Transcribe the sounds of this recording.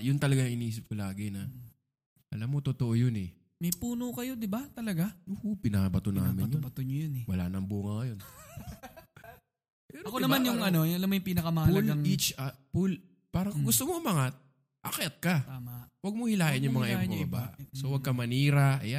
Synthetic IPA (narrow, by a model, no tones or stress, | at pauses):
jʊnt̪ɐlɐɡaŋɪniːs̬ɪp̚kolaːɡɪnɐ | ʔɐlamːo̞t̪ot̪oʔojonɛ | mɐjpuːnokɐjod̪ɪbat̪ɐlɐɡanohopɪnɐbɐt̪ona̰ːmɪnj̪obɐt̪ʊɲojʊnɛwɐla̰nɐŋbuːŋɐŋɐjon | pɛːɾokonɐmanjʊŋɐnojʊʔɐlamːojʊŋpiːnɐkɐmɐapːulɐŋit͡ʃapul | paːɾɐŋŋɡʊst̪omoʔʊmɐŋat̪̚ | ʔɐkɛt̪̚kɐt̪amawɐɡ̚mohɪlaːʔɪnjʊŋmɐŋaʔɛbbɐbaːʔʔsowɐɡ̚kɐmɐniːɾɐʔɐja